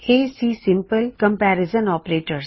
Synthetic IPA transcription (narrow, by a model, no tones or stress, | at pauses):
eːsiːsɪ̃mpəlkə̃mpɛːɾɪzənɔːpɾeːʈəɾs